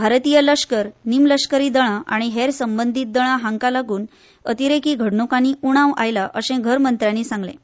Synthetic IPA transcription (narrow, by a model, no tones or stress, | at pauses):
bʱaɾt̪ijələʂkəɾnimləʂkəɾiːd̪əɽ̃aʔaɽ̃iɦeɾsəmbənd̪ʱiːt̪̚d̪əɽ̃aɦaŋkalaɡuːn | ət̪iɾekiːɡʱəɽɳukaniːʔuɽ̃ãʋa̰jlaʔəɕẽɡʱəɾmənt̪ɾjaniːsãŋɡlḛ̃